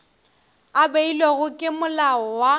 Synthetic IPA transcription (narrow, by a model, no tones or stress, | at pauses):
abeileɣʊkʼɪmʊlaɔwa